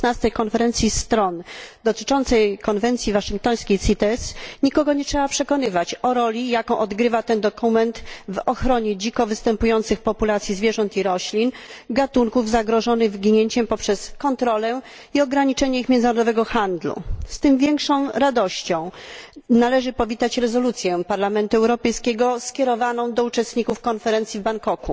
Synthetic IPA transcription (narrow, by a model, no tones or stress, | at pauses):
nast̪ɛjkɔnfɛɾɛnt̪sʲjist̪ɾɔnd̪ɔt̪ɘ̥t͡ʂɔnt̪sɛjkɔnvɛnt̪sʲjivaʂɘŋk̚t̪ɔj̃sʲkʲejt̪sit̪ɛsɲikɔɡɔɲɛtʂɛbapʂɛkɔnɘvat͡ɕɔɾɔlʲijakɔ̃w̃ʔɔd̪ɡɾɘvat̪ɛnd̪ɔkumɛnt̪vɔxɾɔɲɛd͡ʑikɔvɘst̪ɛmpujɔnt̪sɘxpɔpulat̪sʲjizvʲjɛʐɔnt̪iɾɔɕlʲinɡat̪uŋkuvzaɡɾɔʐɔnɘɣvɡʲiɲeɲt͡ɕɛmpɔpʂɛskɔnt̪ɾɔlɛ | iɔɡɾaɲit͡ʂɛɲɛixmʲjɛnd̪naɾɔd̪ɔvɛɡɔxand̪lṵst̪ɘmvʲjɛŋkʂɔ̃w̃ɾad̪ɔɕt͡ɕɔ̃w̃nalɛʐɘpɔvʲit̪at͡ɕɾɛzɔlut̪sʲjɛpaɾlamɛnt̪uɛwɾɔpɛjskʲɛɡɔskʲɛɾɔvanɔ̃w̃d̪ɔut͡ʂɛst̪ɲikufkɔnfɛɾɛnt̪sʲivbaŋkɔkṵ